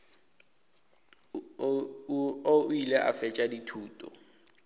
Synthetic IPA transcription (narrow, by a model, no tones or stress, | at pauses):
oilɛʔa̰fɛt͡ʃʼaditʰuːtʼɔ̰